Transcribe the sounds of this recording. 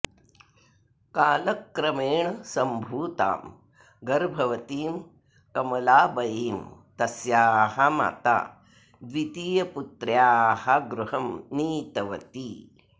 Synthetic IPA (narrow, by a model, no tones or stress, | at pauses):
kaːlɐkːɾɐmeːɳɐsɐmbʱuːt̪a̰ːm | ɡɐɾbʱɐʋɐt̪iːm | kɐmɐlaːbɐjiːmt̪ɐsjaːhɐma̰ːt̪a̰ː | d̪ʋit̪iːjɐput̪ɾjaːhɐɡɾuhɐmniːt̪ɐʋɐ̰t̪iː